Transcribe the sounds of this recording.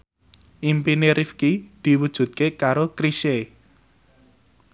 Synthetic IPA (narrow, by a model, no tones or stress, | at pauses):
ʔimpineɾʔifkid̪̥i̤wud̥ʒ̥ṳt̪̚kekaɾokɾiʃe